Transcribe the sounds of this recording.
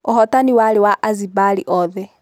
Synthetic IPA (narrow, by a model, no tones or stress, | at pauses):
oɦɔtaniwaɾewaʔazibaɾiʔɔðɛ